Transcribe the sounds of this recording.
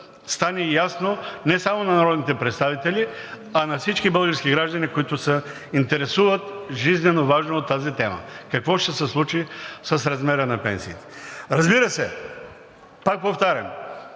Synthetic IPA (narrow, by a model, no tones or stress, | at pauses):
st̪anɛjasnonɛsamonɐnɐɾɔd̪nit̪ɛpɾɛt̪st̪avit̪ɛli | anɐfsit͡ʃkibəlˠɡəɾskʲiɡɾaʒd̪ɐnikoit̪ʊsɐ | int̪ɛɾɛsuvət̪ʒiznɛnovaʒnoot̪ːazit̪ɛmə̰kɐkvɔʃt̪ɛsɛslˠut͡ʃisɐsɾɐzmɛɾənɐpɛ̰nsiːt̪ɛ̥ɾɐzbiɾəsɛ | pak̚poft̪aɾʲɐm